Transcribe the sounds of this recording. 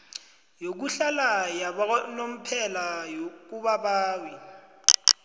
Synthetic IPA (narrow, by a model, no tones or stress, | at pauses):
jok̬uɬalajanom̩pʰɛlajok̬uɓaɓaːwi